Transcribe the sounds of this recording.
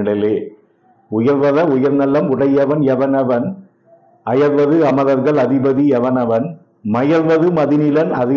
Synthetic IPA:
ɽɪleː | ʊjɐɾʋɐðɐʊjɐɾnɐlːɐmʊɽɐjɐʋɐnɛʋɐnɐʋɐn | ɐjɐɾʋɐðɯɐmɐðɐɾɣɐɭɐðɪbɐðiɛʋɐnɐʋɐn | mɐjɐɾʋɐðɯmɐðɪnɪlɐnɐðɪ

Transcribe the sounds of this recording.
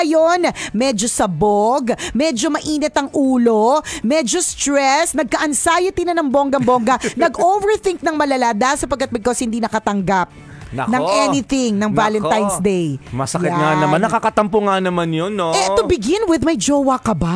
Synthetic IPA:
ɐjonmɛd͡ʒosɐboɡmɛd͡ʒo̞mɐʔiːnɛt̪ɐŋʔuːlo̞mɛd͡ʒost̪ɾɛsnɐɡ̚kɐʔɐnsaːjɪt̪inɐnɐŋboŋɡɐmboŋɡɐnɐɡʔovɛɹθɪŋk̚nɐŋmɐlɐlaːd̪asɐpɐɡ̚kɐt̪mɐɡ̚koshɪnd̪inɐkɐt̪ɐŋɡap̚ | nɐɐŋʔɛnɪθɪŋnɐŋvalɛnt̪ajnsd̪ejmɐsɐkɪŋanɐanːɐkɐkɐt̪ɐmpʊŋanɐmanjonːoɛt̪ʊbɪɡɪnwɪðmɐjd͡ʒowɐkɐba

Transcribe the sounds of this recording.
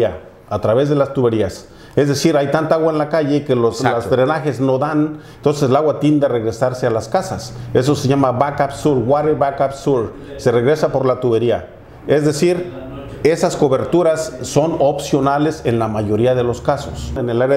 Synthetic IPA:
a | at̪ɾaβezðelast̪uβeɾias | ezðesiɾajt̪ant̪aaɣwaenlakaʝekeloslasd̪ɾenaxeznoðanent̪ons̬eslaɣwat̪jend̪areɣɾesaɾsealaskasases̬oseʝamaβakabsuɾɡwaɾeβakabsuɾ | sereɣɾesapo̞ɾlat̪uβeɾia | ezd̪esiɾ | esasko̞βe̞ɾt̪uɾasːonopsjo̞nalesenlamaʝoɾiaðeloskaso̰senelaɾ

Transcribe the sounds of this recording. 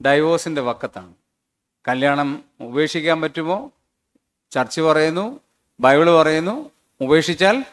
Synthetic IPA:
ɖɐjʋoːsinde̞ʋɐkːɐt̪ːa̰ːɳɨ | kɐljaːɳɐmube̞ːʂikʲːaːnpɐtːumo̞ː | t͡ɕɐrt͡ɕːɨpɐrɐjunːu | bɐjʋiɭɨpɐrɐjunːu | ube̞ːʂit͡ɕːaːl

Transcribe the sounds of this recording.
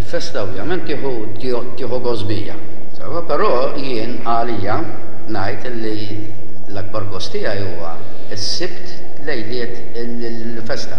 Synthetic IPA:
ɪlfɛst̪ɐɔvjɐmɛnt̪kɪːħu | t̪ɪːħuɡɔzbɪ̰ːjɐ̰ | sɛ̰wɐpɛɾɔː | jɪːn | ɐliːjɐ | nɐjt̪ɪlːi | lɐɡ̚bɐɾɡɔst̪ɪjɐjuːwɐ̰ | ɪsːɪpt̪ | lɛjlɪːt̪ | ɪlɪl | fɛst̪ɐ

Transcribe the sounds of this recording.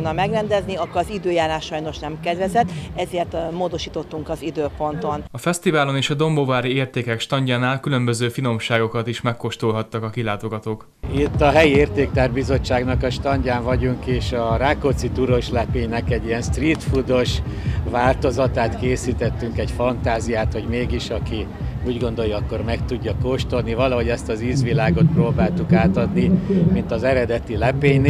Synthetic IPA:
nɒmɛɡrɛnd̪ɛzniɒkːoɒzid̪øːjaːlaːʃʃɒjno̞ʃnɛmkɛd̪vɛzɛt̪ːɛzeːrt̪moːd̪o̞ʃiːt̪o̞t̪ːuŋkɒzid̪øːpo̞nt̪o̞nɒfɛst̪ivaːlo̞neːʃɒd̪o̞mbovaːɾieːrt̪eːkɛkʃt̪ɒɲɟaːnaːlkylø̞mbø̞zøːfino̞mʃaːɡo̞kɒt̪iʃmɛkːo̞ʃt̪ulɦɒt̪ːɒkɒkilaːt̪o̞ɡɒt̪oːk | it̪ːɒɦɛjieːrt̪eːk̚t̪aːrbizo̞t͡ʃːaːɡnɒkɒʃt̪ɒɲɟaːɱvɒɟuŋkeːʃɒraːkot̪sit̪uɾo̞ʃlɛpeːɲnɛkɛɟːijɛnst̪riːt̪fud̪o̞ʃvaːlt̪o̞zɒt̪aːt̪keːsit̪ɛt̪ːyŋkɛɟfɒnt̪aːzijaːt̪ho̞ɟmeːɡiʃɒki | uːɟɡo̞nd̪o̞jːɒkːo̞rmɛkt̪uɟːɒkoːʃt̪o̞lnivɒlɒɦo̞ɟɛst̪ɒziːzʋilaːɡo̞t̪̚proːbaːlt̪ukaːt̪ɒd̪nimint̪ɒzɛɾɛd̪ɛt̪ilɛpeːɲn

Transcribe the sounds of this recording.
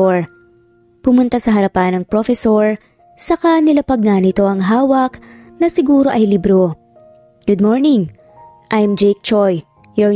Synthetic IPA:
ɹ | pʊmʊnt̪asɐɦɐɾɐpanɐŋpɾofɛsoɹ | sɐkanɪlapɐɡ̚nanɪt̪o̞ʔɐŋɦaːwɐknɐsɪɡuːɾo̞ʔɐjlɪbɾo | ɡ̥ʊd̪̚moɹnɪŋ | ʔajmd͡ʒɛjk̚t͡ʃoj | jɔ

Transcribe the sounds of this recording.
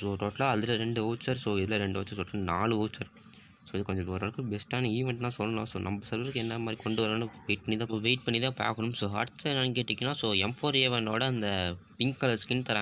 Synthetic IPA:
soːʈoːʈlaːɐðɯlɐɾɛɳɖɯoːt͡ʃːɐɾsoːɪðɪlɐɾɛɳɖɯoːt͡ʃːɐɾsɔʈːɐnaːlɯoːt͡ʃːɐɾ | soːɪðɯkɔɲd͡ʒɐkɐɾaːɭɯkːɯ̃bɛsʈaːnɐiːʋɛɳʈnãːsɔlːɐnã̰ːsoːnɐmbɐsɐɾʋɐɾɯkːɯɛnːɐmaːd̪ɾikɔɳɖɯʋɐɾɐnɯʋeɪʈ̚pɐɳːiðãːʋeːɪʈ̚pɐɳːiðãːpa̰ːɣɐnɯmsoːɐ̰ɽɯt͡ʃːɐnɐnŋkeːʈːɪkːɪnːãːsoːɛmfoːɾeːʋɐnoːɽɐɐnd̪ɐpɪŋkkɐlɐskɪnt̪ɐɾãː

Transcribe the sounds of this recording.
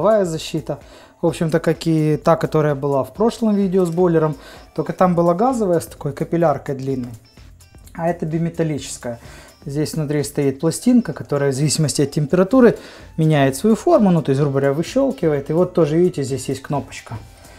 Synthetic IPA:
vajəzɐɕːit̪ə | vo̞pɕɪmt̪əkakɪt̪akɐt̪o̞ɾəjəbɨlˠafpɾo̞ʂlˠəmvʲidʲɪozbo̞lʲɪɾəmt̪olʲkət̪ambɨlˠaɡazəvəjəst̪ɐ̥ko̞jkəpʲɪlʲarkəjd̪lʲinːɨj | ɐɛt̪əbʲɪmʲɪt̪ɐlʲit͡ɕɪ̥skəjə | zʲdʲesʲvnʊt̪ɾʲist̪ɐit̪̚plˠɐsʲtʲinkəkɐt̪o̞ɾəjəvzɐvʲisʲɪməsʲtʲɪɐt̪̚tʲːɪmʲpʲɪɾɐt̪uɾɨ | mʲɪnʲæjɪt̪svɐjufo̞rmʊnut̪o̞ɪs̬ʲrubəɾʲavɨɕːo̞lˠkʲɪvəjɪt̪ɨvo̞t̪ːo̞ʐɨvʲidʲɪtʲɪzʲdʲesʲjesʲtʲkno̞pə̥t͡ɕkə

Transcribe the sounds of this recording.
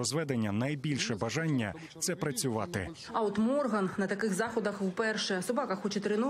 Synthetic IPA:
ɔzʋɛd̪enʲːɐnɐjbʲilʲʃɛbɐʒɑnʲːɐ | t̪sɛpɾɐt͡sʲʊʋɑt̪ɪ̰ | ɐɔt̪mɔrɦɐnnɐt̪ɐkɪxzɑxɔd̪ɐxwpɛrʃɛsʊbɑkɐxɔt͡ʃɪt̪ɾɪnu

